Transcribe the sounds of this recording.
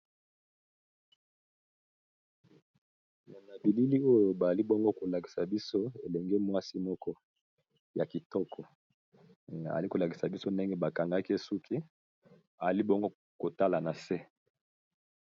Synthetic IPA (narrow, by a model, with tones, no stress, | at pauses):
ja˨na˨bi˨li˦li˦o˦jo˨ba˨a˨li˦bɔ˦ŋɡo˦ko˨la˨ki̥˨sa˨bi˦so˦e˨lɛ˨ŋɡe˦mwa˦si˦mɔ˦kɔ˦ | ja˨ki˨tɔ˦kʰɔ˨ | a̰˨a˨li˦ko˨la˨ki̥˨sa˨bi˦so˦nde˦ŋɡe˦ba˨ka˨ŋɡa˦ki˦e˦su˦kʰi˦ | a˨za˨li˦bɔ˦ŋɡo˦ | ko˨ta˦la˨na˨se˦